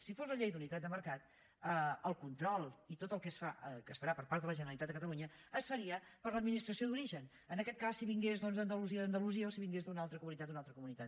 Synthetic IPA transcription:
sifozləʎejd̪unit̪at̪d̪əməɾkat̪ | əəlˠkunt̪ɾɔlˠit̪ot̪əlˠkɛsfaəkəsfəɾapəɾpaɾt̪ðələʒənəɾəlˠit̪at̪d̪əkət̪əluɲəːsfəɾiəpəɾləd̪̚minist̪ɾəsiod̪uɾiʒən | ənəkɛt̪̚kasːiβiŋɡezðɔnzðənd̪əluziəðəːnd̪əluziəosiβiŋɡezd̪unalˠt̪ɾəkumunit̪at̪unalˠt̪ɾəkumunit̪at̪

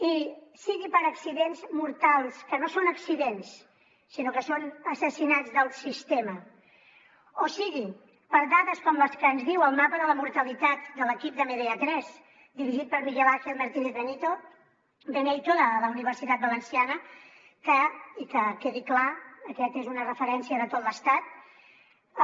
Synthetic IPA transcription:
isiɣipəɾəksiðenzmuɾt̪alˠskənosonəksiðensː | inokəsonəsəsinad͡zðəlˠsist̪emə | osiɣi | pəɾdaðəskɔmləskənzðiwəlˠmapəðələmuɾt̪əlit̪at̪̚d̪ələkip̚d̪əmeðeət̪ɾɛz | d̪iɾiʒit̪̚pəɾmiʎəβaxelməɾt̪ineθβənit̪o | bənejt̪oðəːləuniβ̞əɾsit̪at̪̚bələnsianə | kəikəkeðiklaəkɛt̪ezunərəfəɾɛnsiəðət̪ot̪ləst̪at̪̚

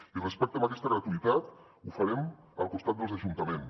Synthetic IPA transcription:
irəspɛk̚t̪əmaɐkɛst̪əɣɾət̪uit̪at̪ | ufəɾɛm | əlˠkust̪at̪̚d̪əlˠzəʒunt̪əmen

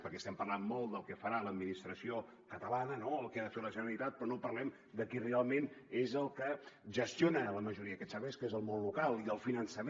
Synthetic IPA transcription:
pəɾkɛst̪ɛmpərlanmolˠd̪əlˠkɛfəɾaləd̪̚minist̪ɾəsio | kət̪əlanənoəlˠkɛaðəfeləʒənəɾəlit̪at̪̚pɾɔnopərlɛm | d̪əkirealˠmenezəlˠkəʒəst̪jonələməʒuɾiəkɛsaβeskezəlˠmonlukalˠiðəlˠfinənsəm

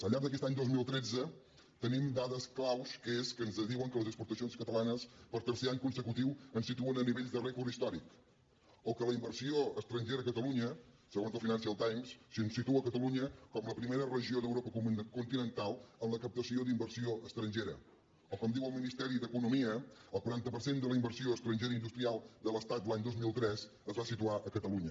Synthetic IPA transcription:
əlʎːaɾɡd̪əkɛst̪aɲd̪ozmilˠt̪ɾɛd͡zə | t̪ənimd̪aðəsklawskəeskənzəðiwəŋkələzəkspuɾt̪əsionskət̪əlanəspəɾt̪əɾseaɲkunsəkut̪iwənsit̪uənəniβeʎzðərɛkuɾist̪ɔɾik | ɔkələimbəɾsioəst̪ɾənʲʒeɾəəkət̪əluɲə | səɣonzlˠfinans̬iəðəlˠt̪ajmssiənsit̪uəkət̪əluɲəkɔmləpɾimeɾərəʒioðəwɾopəkkunt̪inənt̪alˠənləkəp̚t̪əsiod̪imbəɾsioəst̪ɾənʲʒeɾə | ɔkɔmd̪iwəlˠminist̪ɛɾid̪əkunumiəəlˠkwuɾant̪əpəɾsend̪ələimbəɾsioəst̪ɾənʲʒeɾəind̪ust̪ɾialˠd̪ələst̪at̪̚laɲd̪ozmilˠt̪ɾɛs | əzβasit̪uaʔəkət̪əluɲə

